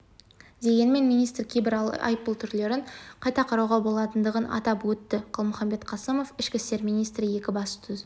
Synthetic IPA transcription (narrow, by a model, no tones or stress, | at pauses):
d̪e̞ɡʲe̞nme̞nmijnijst̪rkʲʰebɪɾɑ̰jpːəlˠt̪ʰʏɾle̞ɾɪɴqʰɑjt̪ɑqʰɑɾɑwʁɑbo̞lˠɑt̪ənd̪əʁənɑ̰t̪ɑpwɵt̪ːɪqʰəlˠmʊχɑmbe̞t̪qʰɑsəmo̞fɪʃkʲɪst̪e̞ɾmijnijst̪ɾəje̞kʲɪbɑsə̥t̪ʰʏz